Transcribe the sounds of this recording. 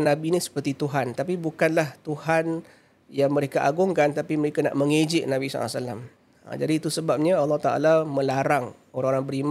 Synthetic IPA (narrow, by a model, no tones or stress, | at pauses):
nabinisə̥pərt̪it̪uɦant̪apibukanlaht̪uhan | jaŋməɾekaʔa̰ɡʊŋkant̪apiməɾekana̰ʔməŋed͡ʒɪʔnabisɔ̰l̰salːa̰m | ə̰d͡ʒadiːt̪usəbap̚ɲaɑlːɑht̪aʔa̰lamə̃laɾaŋ | oɾaŋoɾaŋbəɾim